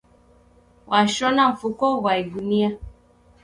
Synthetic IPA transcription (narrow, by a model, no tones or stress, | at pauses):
wʔaʃɔnaɱ̩fukɔwaiɡunia